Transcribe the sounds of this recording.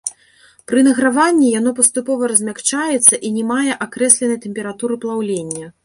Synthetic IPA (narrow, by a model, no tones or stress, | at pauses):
pɾɨnɐɣɾavanʲːijanɔp̬ɐst̪upɔvɐɾɐzʲmʲakt͡ʂajɛt̪sːɐʔinʲɛmajɛʔakɾɛsʲlʲɛnɐjt̪ɛmʲpʲɛɾat̪uɾɨplˠawlʲenʲːɐ